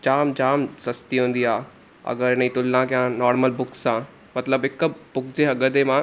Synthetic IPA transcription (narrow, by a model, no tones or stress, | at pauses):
d͡ʑaːmd͡ʑaːmsɐst̪iɦũːn̆d̪iaː | ɐ̰ɡəɾɪnəĩt̪ʊlːãkjãnɔːɾməlbʊksːã | mɐt̪ləbɪkbʊkd͡ʑeɐɡəd̪emã